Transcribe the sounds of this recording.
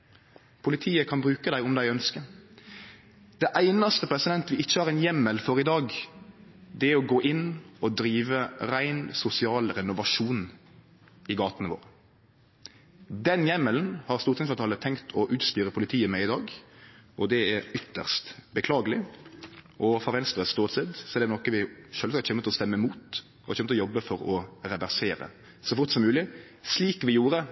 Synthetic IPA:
pʰʊlɪt̪ʰiːəkʰɑnbɾʉːkəd̪æɪʊmd̪æɪœnskə | d̪̥ɛʔæɪnɑst̪əpʰɾɛsɪd̪ɛnt̪ʋɪɪçːəhɑɾɛnjɛmːəlfɔʁɪd̪ɑːɡ | d̪ɛæɾɔɡoːʔɪnːɔd̪ɾiːʋəɾæɪnsʊsɪɑːlɾɛnʊʋɑʂuːn | ɪɡɑːt̪nəʋo̰ːʁ | d̪ɛnjɛmːəln̩hɑʁst̪uːʁt̪ʰɛsfɑt̪ʰɑlət̪ʰɛŋkt̪ʰɔʔʉːt̪st̪yːɾəpʰʊlɪt̪ʰiːəmɛɪd̪ɑːɡɔd̪ɛæɾʏt̪ːəʁst̪bəkʰlɑːɡəlɪ | ʔɔfɔɾʋɛnst̪ɾəst̪oːt̪sɛd̪sɔɛɾd̪ɛnɔkəʋɪʃœːlsɑkt̪çɛnmːət̪lɔst̪ɛmːəmuːt̪ | ɔhɑɾçɛnməɔjɔbːəfɔɾɔɾɛʋæʁseːɾə̰ | sɔfʊʁt̪sɔmːʉːlɪ | sliːkʋɪjuːɾə

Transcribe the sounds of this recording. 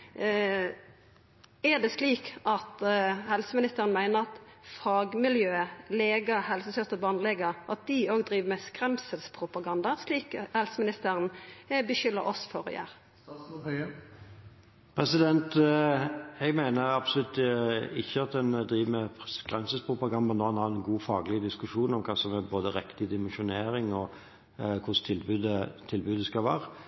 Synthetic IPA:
ɛd̪ɛsliːkʔɑt̪hɛlsəmɪnɪst̪əʁənmæɪnəʁɑt̪fɑɡmɪljøːəleːɡɑhɛlsəsœst̪əbɑːnleːɡɑʔɑt̪̚d̪ɪoːɡd̪ʁiːʋəmɛskʁɛmsəlspʰʁʊpɑɡɑnd̪ɑsliːkhɛlsəmɪnɪst̪əʁənbəʃʏlːəɾɔsfɔʁjæ̰ːʁ | pʰɾɛsɪd̪ɛnt̪ | ɛɡmæɪnəɾɑbsɔlʉt̪ɪçːəɑt̪̚d̪ɛnd̪ɾiːʋəmɛskʁɛmsəlspʰʁʊpɑɡɑnd̪ɑnoːhɑnhɑːʁɛnɡuːfɑːɡəlɪəd̪ɪskʉʂuːnɔmkʰɑːsɔmɛboːd̪əɾɛkt̪ɪd̪ɪmɛnʃʊneːɾɪŋɔ | kʰʊʂt̪ʰɪlbʉːd̪ət̪ʰɪlbʉːd̪əskɑlʋæ̰ːɾə

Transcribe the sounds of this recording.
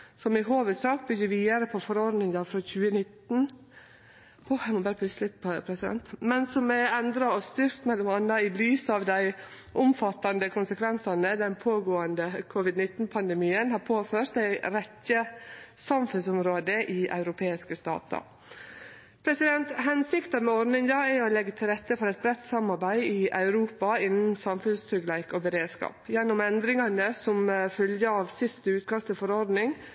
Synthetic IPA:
sɔmɪɦoːʋəd̪sɑːk̚bʏɡːəɾʋiːd̪ɑɾəpʰɔfɔɾɔɾd̪nɪŋd̪ɑfɾɔçʉːənɪt̪n̩ | ɔjæmɔbɑːɾəpʰlʉslɪt̪pʰːpʰɾɛsɪd̪ɛ̰nt̪mɛnsɔmɛɛnd̪ɾɑɔst̪ʏɾk̪mɛlʊmɑnɑɪlyːsɑʋd̪æɪ | ʔʊmfɑt̪ːɑnd̪əkʰʊnsəkʰʋɛnsɑnəd̪ɛnpʰoːɡoːənd̪əkʰʊʋɪd̪nɪt̪ːn̩pʰɑnd̪ɛmiːənhɑːpʰoːføːɾt̪̚d̪æɪɾɛtːəsɑmfʉnsʊmɾoːd̪əʔɪʔɑ̰ʉɾʊpʰeːɪskəst̪ɑ̰ːt̪ɑ̰ | pʰɾɛsɪd̪ɛnt̪hɛnsɪkt̪ɑmɛɔɾd̪nɪŋd̪ɑːæɔlɛɡːət̪ʰɪlɾɛt̪ːəfɔɾɛt̪̚bɾɛt̪ːsɑmɑɾbæɪɪʔɑʉɾuːpɑɪnn̩sɑmfʉnst̪ʰɾʏɡlæɪkɔːbəɾeːd̪skɑ̰ːpjɛnːʊmɛnd̪ɾɪŋɑnəsɔmfœljəɑːʋsɪst̪əʉːt̪̚kʰɑst̪ʰɪlfɔɾɔɾd̪nɪŋ

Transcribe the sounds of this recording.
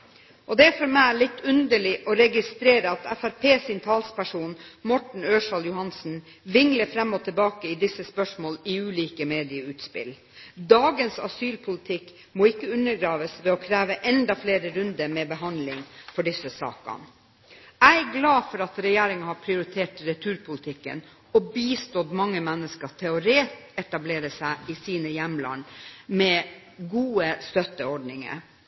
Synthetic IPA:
ʔɔd̪ɛæɾfɔɾmæɪlɪt̪ːʉnd̪əɭɪʔɔɾɛɡɪst̪ɾeːɾəɑt̪æfæɾpʰeːsɪnt̪ʰɑːlspæʂuːnmɔʈɳ̩øːʂɑːljʊhɑnsn̩ | ʋɪŋləfɾɛmːɔt̪ʰəlbɑːkəɪd̪ɪsːəspœʂmoːliʉːliːkəmeːd̪ɪəʉːt̪spɪ̰l | d̪ɑːɡənsɑ̰syːlpʰʊlɪt̪ʰɪkː | moːɪkːəʉnːəɾɡɾɑːʋəsʋɛːɔkʰɾæːʋəʔɛnd̪ɑfleːɾəɾʉnd̪əmɛːbəɦɑnd̪lɪŋfɔɖɪsəsɑ̰ːkɑ̰n | æɪæɡlɑːfɔɾɑt̪ɾɛjeːɾɪŋɑhɑpʰɾɪʊɾɪt̪ʰeːʈɾɛt̪ʰʉːɾpʰʊlɪt̪ʰɪkːə̰n | ɔbiːst̪ɔt̪mɑŋːəmɛnːəskət̪ʰɛʊɾeːt̪ɛt̪ɑbleːɾəsæɪɪsiːnəjɛmlɑ̰nmɛ | ɡuːəst̪œt̪ːəɔɖɳɪŋə̰

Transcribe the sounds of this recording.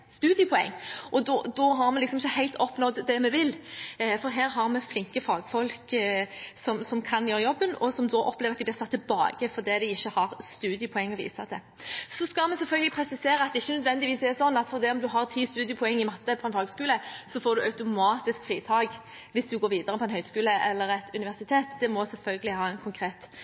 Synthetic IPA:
st̪ʉːd̪ɪjəpʰʊɛ̰ŋːʔɔd̪ɔd̪ɔɦɑɾmɛlɪksɔmɪçːəhæɪlt̪ʰɔpnɔd̪d̪ɛmɛʋɪlfɔɾɦæːɾɦɑʁɾmɛflɪŋkəfɑːɡfɔlk | sɔmsɔmkʰɑnjøːɾəjɔbːənɔsɔmd̪ɔʔɔpːleːʋɑt̪ɪblɪɾsʰɑt̪ːɪlbɑ̰ːɡ̥əfɔd̪iːd̪ɛɪçːəhɑʁst̪ʉːd̪ɪjəpʰʊɛŋːɔʋḭːsɑd̪ɛ | sɔskɑlmɛsɛlfœlɡəlɪpʰɾɛsɪseːɾəɑt̪̚d̪ɛɪçːənœd̪ʋɛnd̪ɪʋiːsɛsɔnːɑt̪fɔʁd̪ɛɔmd̪ʉɦɑʁt̪ʰiːst̪ʉːd̪ɪəpʰʊɛŋːɪmɑt̪ːəpʰɔɛnfɑːɡəskʉːləsɔfoːd̪ʉʔɑʉt̪ʊmɑːt̪ɪskfɾiːt̪ʰɑːɡ | ʋɪsd̪ʉɡoːɾʋiːd̪əʁɾəpʰɔɛnhœʏskʉːləʔɛlːəɾɛt̪ʰʉnɪʋæʁsɪt̪ʰeːt̪d̪ɛmɔsɛlfœlɡəlɪhɑːɛɪnkʰʊŋkʰʁeːt̪

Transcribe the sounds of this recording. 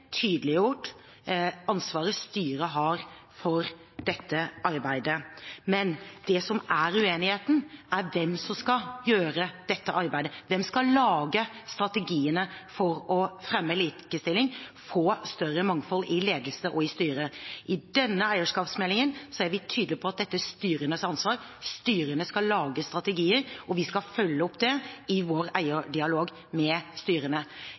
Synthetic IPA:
t̪ʰyːd̪əlɪjuːʈ | ɑnsʋɑːɾəst̪yːɾəɦɑɾ | fɔɾ | d̪̥ɛt̪ʰːəʔɑɾbæɪd̪əmɛnd̪̥ɛsɔmæɾʉeːnɪheːt̪n̩æɾʋɛmsɔmskɑjøːɾəd̪̥ɛt̪ːəʔɑɾbæɪd̪əʋɛmskɑlɑːɡəst̪ɾɑt̪əɡiːənəfɔɾɔfɾɛmːəliːkəst̪ɪlɪŋfoːst̪œrːəmɑŋfɔlɪleːd̪əl̩səʔɔɪst̪yːɾəʔɪd̪ɛnːəæɪəʂkɑːpsmɛlːɪŋənsɔæɾʋɪt̪ʰyːd̪lɪpʰɔɑt̪̚d̪ɛt̪ːəst̪yːɾənəsɑnsʋɑːɾst̪yːɾənəskɑlːɑːɡəst̪ɾɑt̪əɡiːəɾʔɔʋɪskɑfœlːəɔpːd̪ɛɪʋoːɾæɪəɖɪɑloːɡ | mɛst̪yːɾənə

